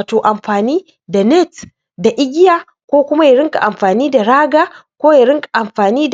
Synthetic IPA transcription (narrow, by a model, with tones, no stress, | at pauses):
a˨toː˨ʔa˨mɸaː˨niː˦ | da˨nɛ˦t | da˨ʔɪ˦ɡʲɪ˦jaː˨ | kʷoː˦kʷʊ˦ma˦ja˨ɽɪ˦ŋkʼa̰˨ʔa˨mɸaː˨niː˦da˨ɽaː˦ɡaː˦kʷoː˦ja˨ɽɪ˦ŋkʼḁ˨ʔa˨mɸaː˨niː˦d